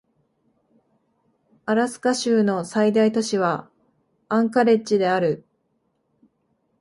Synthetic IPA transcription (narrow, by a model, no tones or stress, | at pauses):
aɾasɨ̥kaɕɨːno̞said̪ait̪o̞ɕiβa | ãŋkaɾe̞t͡ɕid̪e̞aɾɯ̟